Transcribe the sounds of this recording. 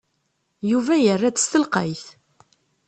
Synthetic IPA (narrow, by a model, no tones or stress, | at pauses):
juvæjərːæðə̥st̪əlqə̰jθ